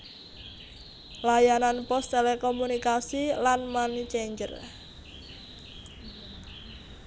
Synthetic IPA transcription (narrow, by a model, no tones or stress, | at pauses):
lajananpɔst̪elɛkɔmunikasilanmanit͡ʃeɲd͡ʒə̰r